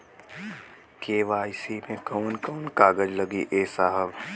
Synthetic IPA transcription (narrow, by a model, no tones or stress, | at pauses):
keːʋaːjsimẽkoːnkoːnkaːɡəd͡ʒləɡiʔeːsaːɦəʋ